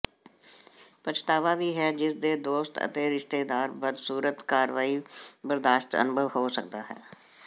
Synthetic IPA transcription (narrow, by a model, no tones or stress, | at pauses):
pət͡ʃt̪aːʋaːʋiːɦɛːd͡ʒɪsd̪eːd̪oːst̪ə̰t̪eːɾɪʃt̪eːd̪aːɾbəd̪suːɾət̪kaːɾʋaːibəɾd̪aːʃʈ̪ə̰nʊbʱəʋɦoːsək̚d̪aːɦɛ̰ː